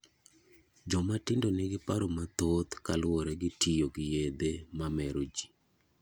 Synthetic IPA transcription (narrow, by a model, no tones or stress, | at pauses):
d͡ʒɔmatɪndoneɡɪpaɾomat̪ot̪kalwɔɾɛɡɪtʰijoɡɪjed̪emamɛɾod͡ʒi